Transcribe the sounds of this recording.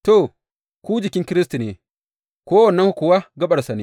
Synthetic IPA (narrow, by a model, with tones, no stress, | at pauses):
to˨ | kʷu˦d͡ʒɪ˨kʲɪ˦ŋkʲɪ˦ɾɪ˦sti˨neː˨ | koː˦wɐ˨nːɐ˦ŋhu˦kʊ˨wa˦ɡɐ˦ɓɐ˨ɾsa˨ne˦